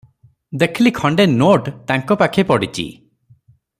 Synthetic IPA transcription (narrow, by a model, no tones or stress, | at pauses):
d̪ekʰilikʰɔɳɖenoʈt̪aŋkɔpakʰepɔɽit͡ʃḭ